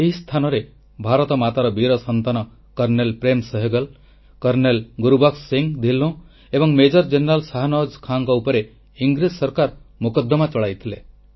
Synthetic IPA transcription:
eɦist̪ʰanɔɾe | bʱaɾɔt̪ɔmat̪aɾɔbiɾɔsɔnt̪anɔ | kɔɾnelpɾemsɔɦeɡɔl | kɔɾnelɡuɾubaksiŋd̪ʱilõ | ebɔŋmed͡ʒɔɾd͡ʒeneɾalsaɦanɔd͡ʒkʰaŋkɔupɔɾe | iŋɡɾid͡ʒsɔɾkaɾmukɔd̪ːɔmat͡ʃɔɭajt̪ʰile

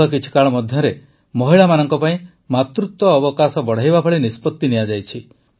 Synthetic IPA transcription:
ɔkit͡ʃʰi̥kaɭɔmɔd̪ʱjɔɾe | mɔɦiɭamanɔŋkɔpaĩ | mat̪ɾut̪wɔːbɔkasɔbɔɽ̤ajbabʱɔɭinispɔt̪ːiniad͡ʒajt͡ʃʰi

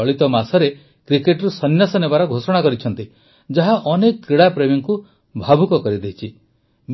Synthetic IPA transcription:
ɔɭit̪ɔmasɔɾe | kɾikeʈɾusɔnjasɔnebaɾɔɡʱosɔɽ̃akɔɾit͡ʃʰɔnt̪i | d͡ʒaɦaʔɔnekɔkːɾiɽapɾemiŋku | bʱabʱukɔkɔɾid̪eɦit͡ʃʰi | m

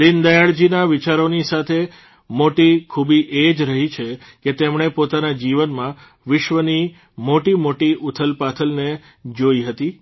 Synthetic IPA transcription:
d̪ind̪əjaɭd͡ʒinaʋɪt͡ʃaɾonisat̪ʰe | moʈikʰubiʔed͡ʒɾəɦit͡ʃʰe | ket̪emɳ̃epot̪anad͡ʒiʋənmã | ʋɪʃʋəni | moʈimoʈiʔʊt̪ʰəlpat̪ʰəlne | d͡ʒoiɦət̪i

